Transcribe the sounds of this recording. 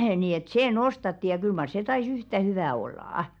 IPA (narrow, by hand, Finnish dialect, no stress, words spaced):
niː et seː nostɑtːi jɑ kyl mɑr se tɑis yhtæ hyʋæˑ olːɑˑɑ̆